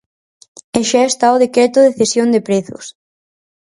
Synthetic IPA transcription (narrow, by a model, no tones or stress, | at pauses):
eʃaest̪aoð̞ekɾet̪ʊðeθesjond̪epɾeθʊ̰s